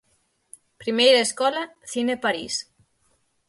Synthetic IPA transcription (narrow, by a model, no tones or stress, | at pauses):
pɾimejɾaeskɔlaθinepaɾis